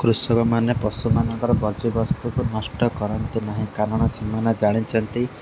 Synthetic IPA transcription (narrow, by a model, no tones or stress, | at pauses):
kɾusɔkɔmanepɔsumanɔ̃ŋkɔɾɔbɔɾd͡ʒibɔst̪ukunɔsʈɔkɔɾɔnt̪inaɦĩkanɔɽ̃ɔsimanad͡ʒaɽ̃it͡ʃʰɔnt̪i